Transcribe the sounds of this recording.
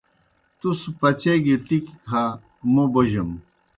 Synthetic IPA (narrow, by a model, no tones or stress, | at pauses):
t̪uspɐt͡ɕeɡiʈikkʰa | moboʑɐm